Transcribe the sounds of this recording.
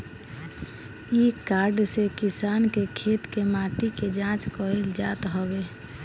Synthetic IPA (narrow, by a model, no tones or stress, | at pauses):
ikaːɾɖsekɪsaːnkekʰeːt̪kemaːʈiked͡ʒãt͡ʃkɔild͡ʒaːt̪ɦɔbe